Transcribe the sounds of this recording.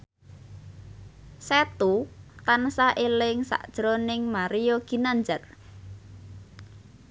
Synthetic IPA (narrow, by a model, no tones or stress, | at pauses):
sɛt̪ut̪ansaʔelɪŋsa̰ʔd̥ʒ̥ɾonɪŋmaɾijoɡ̥i̤nand͡ʒar